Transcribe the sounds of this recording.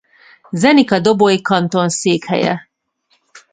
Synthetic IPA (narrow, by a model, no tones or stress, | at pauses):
zɛnikɒd̪obojikɒnt̪o̞nseːkhɛ̰jɛ̰